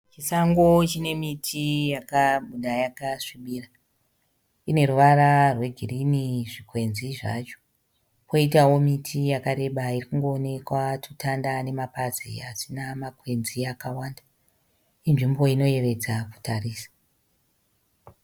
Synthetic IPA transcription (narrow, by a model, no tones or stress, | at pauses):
t͡ʃisaŋɡo̞t͡ʃine̞mitʰijakaɓuɗajakaʂiɓiːra | ine̞ɾuʋaɾarwe̞ɡʱiriniʐikwe̞nziʐa̰t͡ʃo̥ | po̞itawo̞mitʰijakaɾe̞ɓairikuŋɡo̞ːne̞kwatutandane̞mapazḭasinamakwe̞nziakawaːnda | inʐimbo̞ino̞e̞re̞d͡zaku̥tariːsḁ